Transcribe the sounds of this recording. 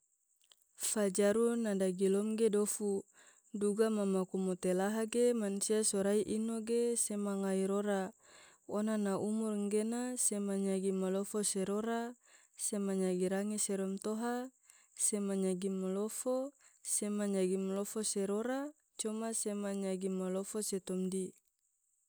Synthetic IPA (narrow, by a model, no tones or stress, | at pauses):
fad͡ʒaɾunadaɡilɔmɡedofu | duɡamamakumot̪elaɦaɡemansiasoɾaiʔinoɡesemaŋaiɾoɾa | onanaʔumurŋɡenasemaɲaɡimalofoseɾoɾa | semaɲaɡiɾaŋeseɾɔmt̪oɦa | semaɲaɡimalofosemaɲaɡimalofoseɾoɾa | t͡ʃɔmasemaɲaɡimːalofoset̪ɔmdi